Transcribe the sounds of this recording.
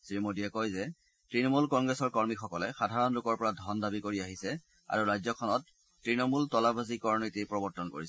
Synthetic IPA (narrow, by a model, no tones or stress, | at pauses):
sɹimodiɛkɔjzɛ | tɹinɔmulkɔŋɡɹɛsɔɹkɔɹmixɔkɔlɛxadʱaɹɔnlukɔɹpɔɹadʱɔndabikoɹiaɦisɛ | a̰ɹuɹajzɔkʰɔnɔtː | ɹinɔmultɔlabʱazikɔɹnitipɹɔbɔɹtɔnko̰ɹisɛ